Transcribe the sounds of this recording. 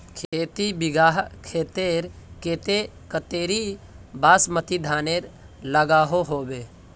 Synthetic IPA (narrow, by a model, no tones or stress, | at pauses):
kʰeːt̪ibɪɡaːɦkʰeːt̪eɾkeːt̪e | kət̪eːɾibaːsmət̪id̪ʱaːneːɾ | ləɡaːɦoɦoːbeː